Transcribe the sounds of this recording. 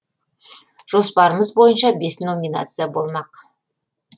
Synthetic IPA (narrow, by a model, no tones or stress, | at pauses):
ʒ̥o̞spɑɾəməzbo̞jənʃɑbe̞sno̞mʲina̰t̪sɨjabo̞lˠmɑq